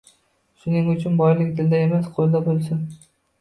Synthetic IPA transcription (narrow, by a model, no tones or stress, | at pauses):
ʃʊnɪŋʊt͡ʃʰʊnbɒjlɪkʲd̪ɪld̪aemasqʰolˠd̪abolˠsɪn